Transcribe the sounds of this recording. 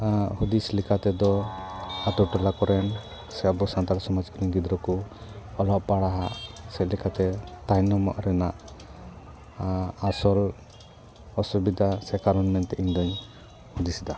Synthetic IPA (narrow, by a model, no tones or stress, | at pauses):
hud̪islikat̪ɛd̪ɔ | at̪uʈɔlakɔɾɛn | sɛabɔsant̪aɾsɔmad͡ʒkɔɾiɲɡid̪ɾɔkuɔlɔʔpaɽaɦaʔsɛlikat̪ɛt̪ajnɔmɔ̰ʔɾɛnaʔ | asɔl | ɔsubid̪asɛkaɾɔnmɛnt̪ɛʔiɲd̪ɔɲ | hud̪isd̪a